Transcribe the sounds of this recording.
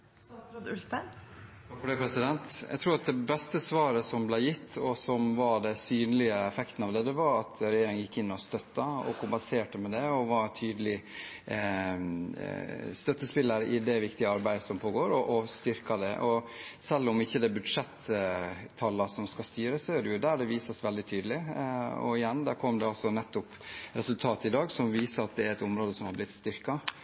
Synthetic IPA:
ɔd̪ʉlsət̪ʰɑkfɔɖɛpʰɾɛsɪd̪ɛnt̪æ̰ɡt̪ʰɾuːɾɑt̪̚d̪ɛbɛst̪əsʋɑːɾəsɔmblæɪjɪt̪ːɔsɔmʋɑɖɛsyːnəlɪəɛfɛkt̪n̩ɑːʋd̪ɛt̪ːəʋɑɾɑt̪ʰɾɛjeːɾɪŋənjɪkːɪnːɔst̪œt̪ːɑɔ̰kʰʊmpɛnseːʈəmɛd̪ɛɔʋɑɾt̪ʰyːd̪əlɪ | st̪œt̪ːəspɪlːəɾʔɪd̪ɛʋɪkt̪ɪəɑɾbæɪd̪əsɔmpʰoːɡoːɾɔʔɔst̪ʏɾkɑd̪ɛ̰ʔɔsɛlːɔmɪçːəd̪ɛbʉd̪ʂɛt̪ʰː | ɑlːəsɔmskɑst̪yːɾəsɔjæɖʉjʊd̪æɖɛʋiːsəsʋɛld̪ɪt̪ʰyːd̪əlɪɔ̰ɪjɛnːd̪æːɾkʰɔmd̪ɛɑlsɔnɛt̪ːʊpɾɛsʉlt̪ʰɑːt̪ɪd̪ɑːɡsɔmʋiːsəɾɑt̪̚d̪ɛæɾɛt̪ʊmɾoːd̪əsɔmhɑɾblɪt̪st̪ʏɾkɑ

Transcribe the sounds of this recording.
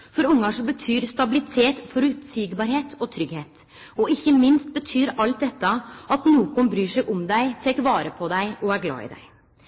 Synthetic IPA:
fɔɾʊŋːɑʂɔbət̪ʰyːɾst̪ɑbɪlɪt̪ʰeːt̪fɔɾʉt̪siɡbɑɾheːt̪ʰɔt̪ʰɾʏɡheːt̪ | ɔɪçːəmɪnst̪̚bət̪ʰyːɾɑlt̪̚d̪ɛt̪ːɑɑt̪nuːkɔnbɾyːʂɛɡʔʊmd̪æɪt̪ʰeːkʋɑːɾəpʰɔd̪æɪʔɔæɾɡlɑ̰ːɪ̰d̪æ̰ɪ

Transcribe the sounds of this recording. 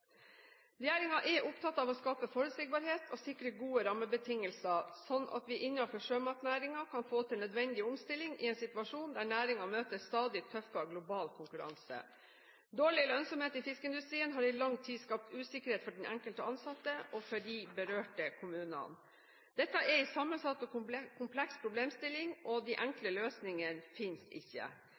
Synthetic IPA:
ɾɛjæːɾɪŋɑʔɛʔʊpt̪ʰɑt̪ːɑːʋɔskɑːpəfoːɾəsɪk̚bɑɾɦeːt̪ʰɔsɪkːɾəɡuːəɾɑməbət̪ʰɪŋəlsɑsɔnːʔɑ̰t̪ʋɪʔɪnːɑfɔʂøːmɑt̪næːɾɪŋɑkʰɑnfoːt̪ʰɪlnœd̪ʋɛnd̪ɪʊmst̪ɪlːɪŋɪ̰ɛːnsɪt̪ʋɑʂuːnd̪æɳæːɾɪŋɑmøːt̪əst̪ɑːd̪ɪt̪ʰœfɑɡlʊbɑːlkʰʊŋkʉɾɑ̰nsə̰ | d̪oːɭɪlœnsɔmheːt̪ɪfɪskəɪnd̪ʉst̪ɾiːənɦɑɾɪlɑŋt̪ʰiːskɑp̚t̪ʉːsɪkəɾheːt̪fɔɖɛnʔæ̰ŋkəlt̪əɑnsɑt̪ːəʔɔfɔɖɪbəɾøːʈəkʰʊmʉːnɑ̰n | d̪ɛt̪ːɑʔɛɾɪsɑmːənsɑt̪ːɔkʰʊmpʰlɛkspʰɾʊbleːmst̪ɪlːɪŋʔɔd̪ɪʔæŋkləløːsnɪŋənfɪnst̪ɪ̰çːə̰

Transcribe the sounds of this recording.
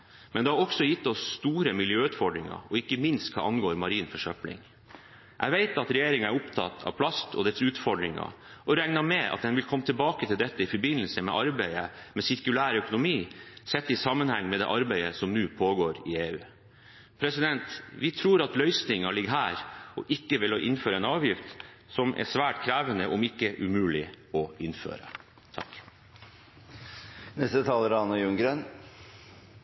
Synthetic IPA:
mɛnd̪ɛhɑɾɔksɔjɪt̪ːɔsːt̪uːɾəmɪljøːʉːt̪fɔɖɾɪŋɑ̰ɔɪkːəmɪnst̪̚kʰɑ̰ːʔɑnɡoːɾmɑɾiːnfɔʂœplɪ̰ŋ | ʔæ̰ʋæɪt̪ɑt̪ɾɛjeːɾɪŋɑæɾʊpt̪ʰɑ̰t̪ʰːɑ̰ʋpʰlɑst̪ʰɔd̪ɛɾsʉːt̪fɔɖɾɪŋɑ̰ | ʔɔɾɛŋnɑmɛʔɑ̰t̪̚d̪ɛnʋɪlkʰɔmːət̪ʰɪlbɑːkət̪ʰɪld̪ɛt̪ːəɪfɔɾbɪnːəlsəmɛ̰ʔɑɾbæɪəmɛsɪɾkʉlæːɾœkʊnʊmiːsɛt̪ːɪsɑmːənhɛŋːmɛd̪ɛ̰ːʔɑɾbæɪəsɔmnʉːpʰoːɡoːɾɪeːʉ̰ː | pʰɾɛsɪd̪ɛnt̪ʋɪt̪ʰɾuːɾɑt̪lœʏsnɪŋɑlɪɡɦæːɾɔ̰ʔɪkːəʋɪlɔʔɪnføːɾəɛnɑːʋjɪft̪ | sɔmʔɛ̰sʋæːʈkʰɾæːʋənəʔʊmɪkːəʔʉmʉːlɪ | ɔɪnfø̰ːɾə̰ | t̪ʰɑ̰k | nɛst̪ət̪ʰɑːləɾɑnːɑjʉŋɡɾeːn

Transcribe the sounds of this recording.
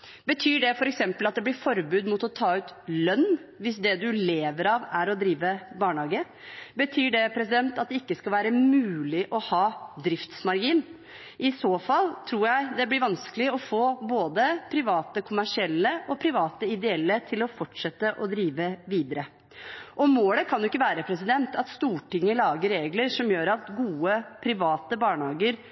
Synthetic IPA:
bət̪ʰyːɖɛfɔɾɛksɛmpəlɑt̪̚d̪ɛblɪɾfɔɾbʉːd̪mʊt̪ɔt̪ʰɑːʉːt̪lœnːʋɪsd̪ɛd̪ʉleːʋəɾɑʋæɾɔd̪ɾiːʋəbɑːɳɑːɡə | bət̪ʰyːɖɛpʰɾɛsɪd̪ɛnt̪ɑt̪̚d̪ɛɪkːəskɑlʋæːɾəmʉːlɪʔɔhɑːd̪ɾɪft̪smɑɾɡiːn | ʔɪsoːfɑlːt̪ʰɾuːɾjæɪd̪ɛblɪɾʋɑnskəlɪɔfoːboːd̪əpʰɾɪʋɑːt̪əkʰʊmæʂɪɛlːəʔɔpʰɾɪʋɑːt̪əɪd̪ɛɛlːət̪ʰɪlɔfɔʈʂɛt̪ːəʔɔd̪ɾiːʋəʋiːd̪əɾə | ʔɔmoːləkʰɑnjʊɪkːəʋæːɾəpʰɾɛsɪd̪ɛnt̪ɑt̪st̪uːʈɪŋːəlɑːɡəɾːeːɡləɾʂɔmjøːɾɑt̪ɡuːəpʰɾɪʋɑːt̪əbɑːɳhɑːɡəɾ

